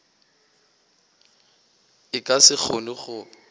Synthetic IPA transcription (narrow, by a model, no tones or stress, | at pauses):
ɪkʼasɪk͡xʰonɪχʊ